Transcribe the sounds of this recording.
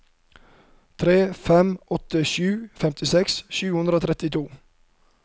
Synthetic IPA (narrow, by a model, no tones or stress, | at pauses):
t̪ʰɾeːfɛmʔɔt̪əʃʉːfɛmt̪ɪsɛksʃʉːhʉnd̪ɾəoːt̪ʰɾɛt̪ɪt̪ʰuː